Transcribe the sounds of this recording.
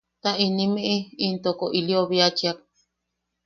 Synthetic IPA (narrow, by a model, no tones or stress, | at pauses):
t̪aʔinĩmĩʔiint̪okoʔilioβiat͡ʃiak̚